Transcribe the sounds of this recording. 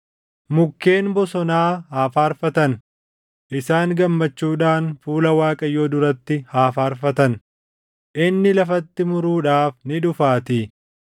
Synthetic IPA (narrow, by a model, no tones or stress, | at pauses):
mʊkːe̞ːnbɔsɔnaːɦaːfaːɾfɐt̪ɐn | ʔɪsaːŋɡɐmːɐt͡ʃːuːᶑaːnfuːlɐwaːkʼɐjːoːd̪ʊɾɐt̪ːɪhaːfaːɾfɐt̪ɐn | ʔɪnːɪlɐfɐt̪ːɪmʊɾuːᶑaːfnɪᶑʊfaːt̪ɪ